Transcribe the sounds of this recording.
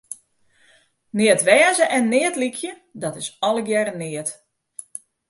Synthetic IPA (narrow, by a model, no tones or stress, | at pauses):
nɪətʋɛːzəʔɛnːɪətlikʰjə | dɔtɪsɔlˠəɡjɛɾənɪət